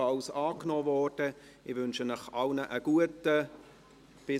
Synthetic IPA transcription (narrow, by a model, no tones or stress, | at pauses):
ɑlsɑːknɔːvɔːrd̥ə | ɪʋʏnʃənəχɑlnəʔəɡ̥uətə | b̥ɪ